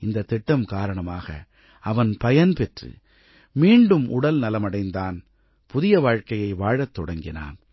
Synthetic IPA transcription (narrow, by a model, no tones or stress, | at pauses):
ɪnd̪ɐt̪ːɪʈːɐmkaːɾɐɳɐmaːɣɐ̰ | ɐʋɐnpɐjɐnpɛʈrɯ̰ | miːɳɖɯmʔʊ̰ɽɐlnɐlɐmɐɽɐɪnd̪aːn | pʊðɪjɐʋaːɻkɐjɐɪʋaːɻɐt̪ːɔɽɐŋɡɪna̰ːn